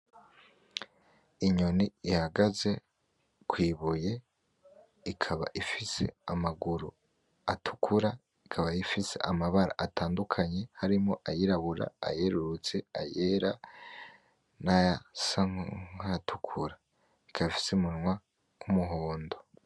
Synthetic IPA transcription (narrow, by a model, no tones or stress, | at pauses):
iɲoniihaɡaze̞ | kwiːβuje̞ | ikʰaβa̰ʔifise̞̰amaɡuɾu | atʰu̥kʰuɾa | ikʰaβajifisḛʔamaβaɾa̰ʔatʰaːndukʰaɲe̞haɾimo̞ʔajiɾaβuɾa̰a̰je̞ɾuɾut͡se̞a̰jeɾa | naasaatʰu̥kʰuɾa | ikʰaβifi̥semunŋwa | kumuɦo̞ːndo̞